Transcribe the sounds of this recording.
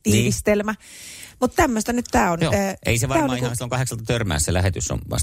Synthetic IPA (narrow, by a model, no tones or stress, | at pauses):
t̪iːʋist̪elmæ | mut̪t̪æmːøst̪ænyt̪t̪æːonːʔḛˑiseʋɑæːonɑːiikhɑnsilːoŋkɑheksɑlt̪ɑt̪ørmæ̰ːsːselæhet̪ysːo̰nʋɑ̰s